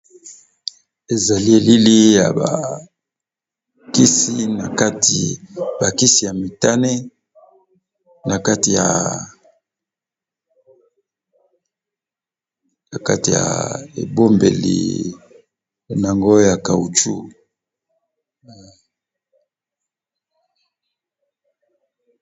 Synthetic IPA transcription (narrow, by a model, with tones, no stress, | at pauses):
e˨za˨li˦e˨li˦li˦ja̰˨ba̰˨ | ki˦si˦na˨ka˦ti˨ba˨ki˦si˨ja˨mi˨ta˦ne˦ | na˨ka˦ti˨ja̰˨ | na˨ka˦ti˨ja̰˨e˨bo˦mbḛ˨lḭ˨ | na˨ŋɡo˦ja˨ka˨u˨t͡ʃu˦